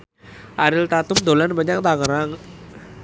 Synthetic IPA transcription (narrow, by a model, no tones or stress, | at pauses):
ʔaɾɪlt̪at̪ʊmd̪o̤lanbaɲak̚t̪aŋəɾaŋ